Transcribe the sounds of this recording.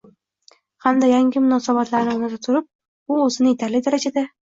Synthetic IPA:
hamd̪ajaŋɡʲɪmʊnɒsabat̪laɾnɪnɒzat̪ʰʊɾʊp̚ | ʊozɪnɪet̪ʰaɾlɪd̪aɾad͡ʒad̪a

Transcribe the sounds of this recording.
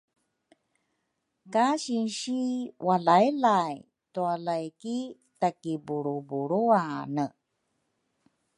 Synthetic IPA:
kaɕinɕiwalaelaj | tualajki | takibuɾubuɾuanə

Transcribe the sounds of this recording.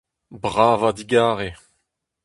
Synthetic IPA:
bʁaːvad̪iɡaːʁe

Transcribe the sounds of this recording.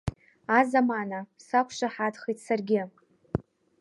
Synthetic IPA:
azamanasakʷʰʃaħatχitʰsarɡʲɪ

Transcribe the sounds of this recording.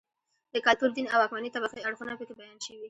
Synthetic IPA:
d̪əkalt̪uɾd̪inawakmanit̪abaxəjaɽxunapet̪abajɑnʃəwi

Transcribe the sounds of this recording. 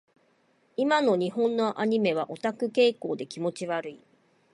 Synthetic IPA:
imano̞ɲ̟iɦõ̞nːo̞ʔaɲ̟ime̞β̞aʔo̞t̪akɯ̟ke̞ːko̞ːd̪e̞kʲimo̞t͡ɕiβaɾɯ̟i

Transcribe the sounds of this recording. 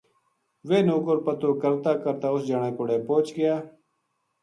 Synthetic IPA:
ʋeːnoːkoɾpət̪oːkəɾt̪aːkəɾt̪aːʊsd͡ʒaːɳeːkʊɽeːpoːt͡ʃɡɪjaː

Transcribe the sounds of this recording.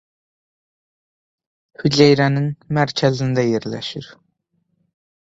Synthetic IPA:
hyd͡ʒæjɾænɪnmæɾkʲʰæzind̪æjeɾlæ̰ʃiɾ

